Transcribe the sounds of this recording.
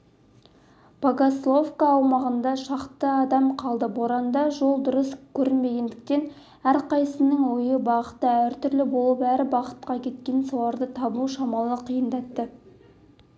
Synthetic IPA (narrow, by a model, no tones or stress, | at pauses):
b̥ɑɡoslˠofkaːwmɑʁənd̪ɑʃɑqt̪əɑd̪ɑmqʰɑlˠd̪əboɾɑnd̪ɑʒo̞lˠd̪ʊɾəskʲʰɵɾɪnme̞ɡʲe̞nd̪ɪk̚t̪e̞n | æɾqɑjsənəŋwojəbɑqət̪ːəæɾt̪ʏɾlɪbo̞lˠəpæɾɪbɑqə̥t̪̚qɑkʲʰe̞t̪̚kʲe̞nsɑwɑɾd̪ət̪ʰɑbuʃɑmɑlˠəqʰijənd̪ɑt̪ːə